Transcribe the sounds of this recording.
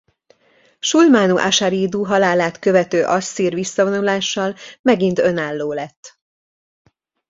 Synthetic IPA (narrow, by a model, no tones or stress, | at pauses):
ʃulmaːnuʔaʃaɾiːd̪uɦɒlaːlaːt̪kø̞vɛt̪øːʔɒsːiːrʋisːɒvo̞nulaːʃːɒlmɛɡint̪ø̞naːlːoːlɛt̪ː